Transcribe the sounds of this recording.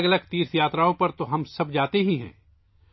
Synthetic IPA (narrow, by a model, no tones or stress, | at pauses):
ɡɐləɡt̪iːɾsjaːt̪ɾaːõpɐɾt̪oɦɐmsɐbd͡ʒaːt̪eɦiɦɛ̰̃ː